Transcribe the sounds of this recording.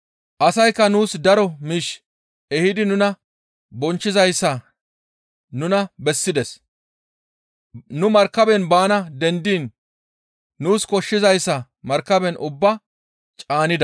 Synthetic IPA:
ʔɐsɐjkːɐnuːsd̪ɐɾɔmiʃ | ɛhɪd̪ɪnʊnɐ | bɔnt͡ʃːɪzɐjsːɐ | nʊnɐbɛsːɪd̪ɛs | nʊmɐɾkːɐbɛnbaːnɐd̪ɛnd̪iːn | uːskɔʃːɪzɐjsːɐ | mɐɾkːɐbɛnʔʊbːɐ | t͡ʃʼaːnɪd̪ɐ

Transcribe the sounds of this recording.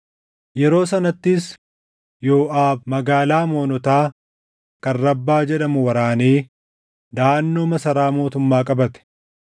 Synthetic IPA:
jɛɾo̞ːsɐnɐt̪ːɪs | jo̞ːʔaːbmɐɡaːlaːmo̞ːnɔt̪aː | kɐnːɐbːaːd͡ʒɛᶑɐmʊwɐɾaːniː | d̪aːnːoːmɐsɐɾaːmo̞ːt̪ʊmːaːkʼɐbɐt̪ɛ̥

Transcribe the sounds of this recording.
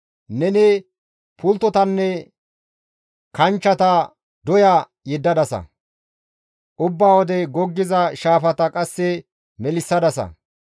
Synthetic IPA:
nɛnɛ | pʰʊlt̪ɔt̪ɐnːɛ | kɐnt͡ʃːɐt̪ɐ | d̪ɔjɐ | jɛd̪ːɐd̪ɐsɐ̰ | ʔʊbːaːwɔd̪ɛɡɔɡːɪzɐʃaːfɐt̪ɐkʼɐsːɛ | mɛlɪsːɐd̪ɐsɐ̰

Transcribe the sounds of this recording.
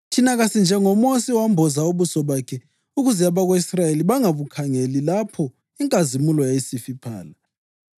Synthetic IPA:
tʰinaɣasind͡ʒʱɛŋɔmosiwambʱɔzauβusɔβakʰɛ | uɣuzɛaβaɣoisrajeliβaŋaβukʰaŋelilapʰɔ | iŋkʼazimulɔjajisifipʰa̰ːla

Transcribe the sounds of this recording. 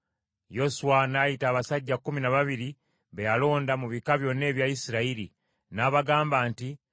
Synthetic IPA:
jo̞suanajitaːβasaɟːakːuminaβaβiɾi | βejalo̞ːndamuβikaβjo̞nːe̞ːβjajisiɾaiɾḭ | naːβaɡaːmbaːnti

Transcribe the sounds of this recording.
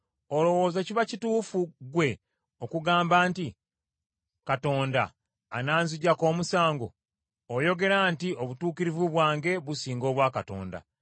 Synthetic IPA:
o̞lo̞wo̞ːzeciβacituːfuɡwe̞ | okuɡaːmbaːnti | kato̞ːndaː | naːnziɟako̞ːmusaːŋɡo̞̰ː | jo̞ɡe̞ɾantio̞βutuːkiɾivuβwaːŋɡe̞βusiːŋɡo̞ːβwaːkato̞̰ːnda̰

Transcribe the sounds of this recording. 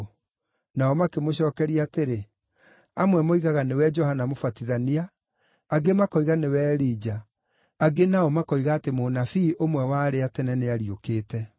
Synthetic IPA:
naɔmakemoɕɔːkɛɾiaːteɾe | amwɛmoiɣaɣanewɛd͡ʒɔhanamofatiðaniaː | ɡemakɔiɣanewɛɾiːd͡ʒaː | ɡenaɔmakɔiɣaːtemonafiːʔomwɛwaɾeatɛnɛneaɾiokeːtɛ

